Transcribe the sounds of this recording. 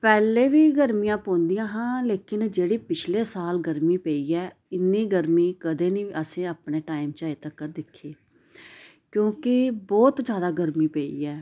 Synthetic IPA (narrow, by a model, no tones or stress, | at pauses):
pɛːleːʋiːɡəɾmijãːpõːnd̪ɪjãːɦãːleːkɪnd͡ʒeːɽiːpɪt͡ʃʰleːsaːlɡəɾmiːpeːiːɛːɪnːiːɡəɾmiːkəd̪eːnĩːʔəsẽːəːpɳeːʈaːɪmt͡ʃaːeːt̪əkːəɾd̪ɪkʰːeː | kjõːkɪbɔːt̪d͡ʒjaːd̪aːɡəɾmiːpeːḭːɛː